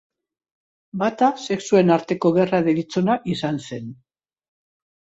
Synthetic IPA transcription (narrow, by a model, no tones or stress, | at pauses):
bat̪ase̞ksue̞naɾt̪e̞ko̞ɣeraðelit͡so̞naʔisanse̞n